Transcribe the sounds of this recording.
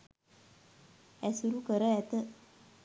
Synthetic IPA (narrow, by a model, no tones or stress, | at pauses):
ɛsuɾukəɾəɛt̪ə